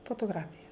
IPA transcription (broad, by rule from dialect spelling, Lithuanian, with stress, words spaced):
foːtoːˈɡrɑːfʲɪjɛ